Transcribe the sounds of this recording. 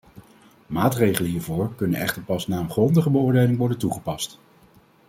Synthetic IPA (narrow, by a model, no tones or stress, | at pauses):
maːtrejχələɦiːɹvʊːɹkɵnənɛ̰χtəɹpɑsnaːənχrɔndəχəbəʊːɹdejlɪŋʋɔɹdəntuχəpɑst